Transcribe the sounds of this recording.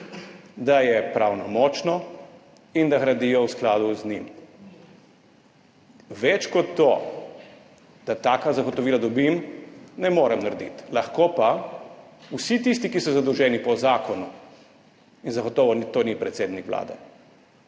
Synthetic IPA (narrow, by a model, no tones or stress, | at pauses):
d̪ajɛpɾaːwnɔmɔt͡ʃnɔ | ind̪aɣɾad̪ijɔwsklaːd̪uznim | ʋɛt͡ʃkɔt̪ːo | d̪at̪aːkazaɡɔt̪ɔʋiːlad̪ɔbimnɛmoːɾɛmnaɾd̪ḭt̪laxkopa | usit̪ist̪ikisɔzad̪ɔwʒɛːnipɔzaːkɔnu | inzaɡɔt̪ɔːʋɔnit̪oːnipɾɛt̪seːd̪nikʋla̰ːd̪ɛ̰